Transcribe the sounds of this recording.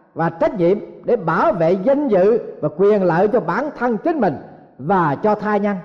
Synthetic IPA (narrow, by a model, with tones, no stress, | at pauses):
vaː˨˩t͡ɕa˦˥k̚ɲḭ˧˨əmɗe˧˩ɓaː˧˩wvḛ˧˨zə˧ŋzɨ̰˧˨vaː˨˩kwi˨˩ənlə̰ː˧˨t͡ɕɔ˧ɓaː˧˩˦nt̪ʰə˧nt͡ɕi˨˦n̟mï˨˩ŋ̟ | vaː˨˩t͡ɕɔ˧t̪ʰaː˧jɲa˧n